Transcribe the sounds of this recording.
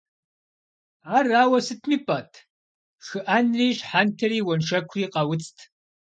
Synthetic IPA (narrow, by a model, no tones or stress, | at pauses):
aːraːwɐsɨtʰmiːpʼɐːtʰ | xɨʔanriːɕħantʰɐɾiːwɐnʃɐkʷʰriːqɐwʊt͡stʰ